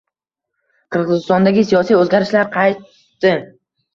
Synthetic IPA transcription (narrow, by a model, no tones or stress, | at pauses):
qʰɨɾʁɨzɪst̪ɒnd̪aɡʲɪsijɒsijɵzɡʲaɾɪʃlaɾqʰɑjt̪ː | ɪ